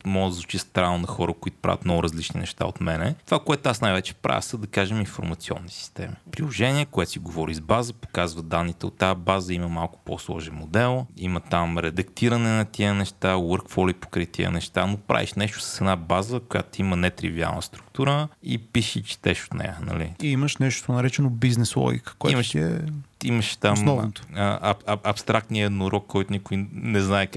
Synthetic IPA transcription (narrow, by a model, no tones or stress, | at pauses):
mɔɡd̪əzvut͡ʃist̪ɾannɐxɔɾəkʊit̪ʊ̥pɾa̰vʲət̪mnɔɡʊɾɐzlit͡ʃnḭnɛʃt̪a̰ot̪mɛnɛt̪ovakoɛt̪ʊasnajvɛt͡ʃɛ̥pɾa̰və̰səd̪ɐkaʒɛminfo̰ɾmɐt̪siɔ̰nːisi̥st̪ɛ̰mipɾilˠoʒɛniɛkʊɛt̪o̥siɡovɔɾizbazəpo̥kazvəd̪anːit̪ɛot̪ːabazəiməmalˠkʊ̥po̰slˠɔʒɛnmod̪ɛlˠimət̪amɾɛd̪ɐkt̪iɾənɛnɐt̪iənɛʃt̪awəɾkfɔlipo̥kɾit̪iə̰nɛʃt̪anopɾa̰vḭʃnɛʃt̪ʊ̥sə̥sɛd̪nabazəkʊja̰t̪imənɛt̪ɾḭvia̰lˠnə̰st̪ɾukt̪uɾəipiʃit͡ʃɛ̥t̪ɛʃo̥t̪nɛ̰jə̰nɐ̰lḭiiməʃnɛʃt̪t̪onɐɾɛt͡ʃɛnobiznɛslˠɔ̰ɡʲḭkə̥koɛimʃt̪iɛ̰iməʃt̪ammsnɔvnt̪o̥əɐpst̪ɾʔakt̪niəɛd̪noɾɔkkːɔjt̪ʊnikʊjnɛznaɛk